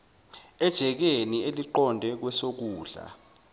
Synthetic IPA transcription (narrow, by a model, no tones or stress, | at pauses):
ɛd̥ʒ̥ʱɛk̬enieliǃɔndʱɛk̬wɛsok̬uːɮa̰